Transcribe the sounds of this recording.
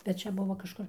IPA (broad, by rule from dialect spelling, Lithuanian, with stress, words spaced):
bʲɛt ˈt͡ʃʲɛ ˈbʊʋoː kɐʃˈkʊr